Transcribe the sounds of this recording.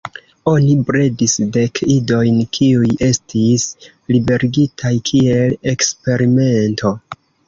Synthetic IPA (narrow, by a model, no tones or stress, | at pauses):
o̞nibɾe̞disde̞kido̞jnkʰiuje̞stʰis | libe̞ɾiɡitʰajkʰie̞le̞kspe̞ɾime̞ntʰo̞